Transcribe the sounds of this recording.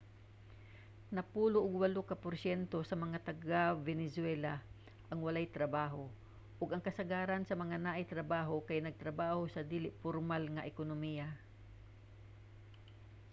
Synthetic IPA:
nɐpuːloʔʊɡwɐlokɐpʊɾsɛnt̪osɐmɐŋat̪ɐɡavɛnɛsʊwɛla | ʔɐŋwɐlajt̪ɾɐbaːɦo | ʔʊɡɐŋkɐsɐɡaːɾansɐmɐŋanaʔajt̪ɾɐbaːɦokajnɐɡ̚t̪ɾɐbaːhosɐd̪iːlɪʔpoɾmalŋɐʔɛkonomija

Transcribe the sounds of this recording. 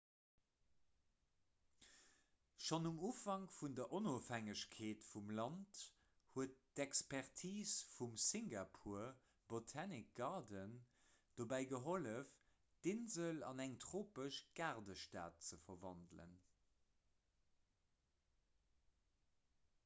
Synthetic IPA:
ʃonumuːfɑŋfundɐʔonoːfæŋəɕkʰeːtfumlɑnt | huət̚d̥ɛkspɛʁtʰiːsfumsiŋɡapʰuːɐ | b̥otʰaːnik̚ɡ̥ɑʁdən | d̥obæɪɡəɦoləf | d̥ɪnzəlɑ̰næŋtʁoːpəʃɡ̥aʁdəʃta̰ːt̚t͡səfɐvɑndlə̰n

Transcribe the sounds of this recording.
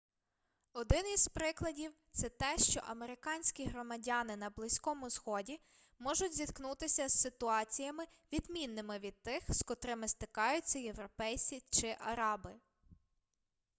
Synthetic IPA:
ɔd̪ɪniz̥pɾɪklˠɐdʲiwt̪sɛt̪ɛʃt͡ʃɔ̰ʔɐmeɾɪkɑnʲsʲkʲiɦɾɔmɐdʲɑnɪnɐblˠɪsʲkɔmʊzxɔdʲi | mɔʒʊtʲzʲit̪knut̪ɪsʲɐz̥sɪt̪ʊɑt͡sʲijɐmɪʋʲid̪mʲinːɪmɪʋʲid̪̚t̪ːɪxskɔt̪ɾɪmɪst̪ɪkɑjʊt͡sʲːɐje̞wɾɔpɛjt͡sʲit͡ʃɪʔɐɾɑbɪ

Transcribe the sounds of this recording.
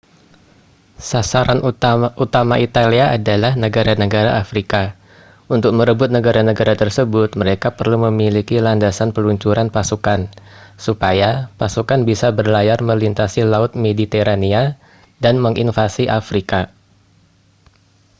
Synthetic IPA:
sasaɾanʔut̪amaʔit̪aliaadalahnəɡaɾanəɡaɾaʔafɾika | unt̪ʊk̚məɾəbʊt̪̚nəɡaɾanəɡaɾat̪ərsəbʊt̪̚məɾekapərluməmilikilandasanpəluɲt͡ʃuɾanpasukansupajapasukanbisabərlajarməlint̪asilaʊt̪̚medit̪eɾania | danməŋʔinfasiʔafɾika

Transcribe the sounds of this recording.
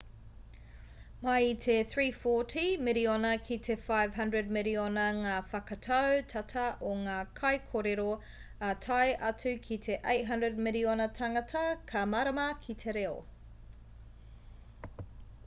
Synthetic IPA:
mɐitʰeθɹiːfɔtʰimɪɾionɐkʰitʰefajv̥ɦɐndɹəd̚mɪlionɐŋaːfɐkɐtʰɐwtʰɐtʰɐʔoŋaːkʰɐjkʰoɾeɾo | ɐtʰɐjʔɐt͡sʉkʰit̪ʰeʔejtɦɐndɹəd̚mɪlionɐtʰɐŋɐtʰɐkʰɐmaɾɐmɐkʰitʰeɾeo̰

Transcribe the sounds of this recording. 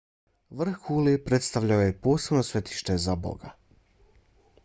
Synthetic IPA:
ʋr̩xulipɾe̞t̪st̪aʋʎaojepo̞ːse̞bno̞sʋe̞t̪i̥ʃt̪e̞zabo̰ɡa

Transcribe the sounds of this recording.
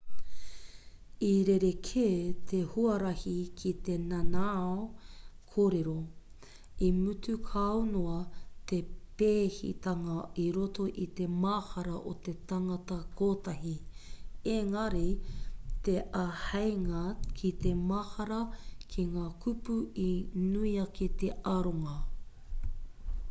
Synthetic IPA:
iɾeɾekʰeːt̪ʰehuɐɾɐhikʰit̪enanaokʰoːɾeɾo | imʉtʰʉkʰɐonoɐt̪epeːhḭt̪ɐŋɐiɾot̪o̞ʔit̪e̞mahɐɾɐʔo̰t̪e̞t̪ɐŋɐt̪ɐkʰoːt̪ɐɦi | eŋɐɾi | t̪eʔɐhɐjŋɐkʰit̪emɐhɐɾɐkʰiŋaːkʰupuinuiɐkit̪eɐɾoŋɐ

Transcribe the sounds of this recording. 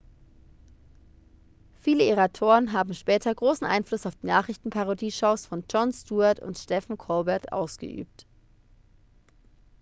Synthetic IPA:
fiːləeʁatʰoːʁənɦaːbm̩ʃpɛːtʰɐɡʁoːsn̩ʔa̰ɪnflʊsaʊfd̥iːnaːχʁɪçtn̩pʰaʁodiːʃoʊsfɔnd͡ʒɔnstuːaɐtʊ̰ntʃtɛfn̩kʰɔlbɛɐtʔa̰ʊsɡ̥ə̰ʔy̰ːp̚t

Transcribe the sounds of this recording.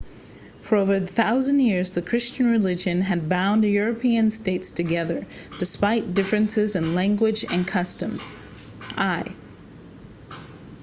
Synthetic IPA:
fə˞oʊvə˞ðɨθaʊzɨ̃njɪɹzðɨkʰɹ̥ɪst͡ʃɨ̃nɹɨlɪd͡ʒɨ̃nɨd̚bãʊ̃njʊɹɨpʰiɨ̃nsteɪtstʰɨɡɛðə˞d̥ɨspaɪt̚d̥ɪfɹɨ̃nsɪzɨ̃nlæ̃ŋɡwɪd͡ʒɨ̰̃nkʰʌstɨ̃mz̥ | ʔaɪ

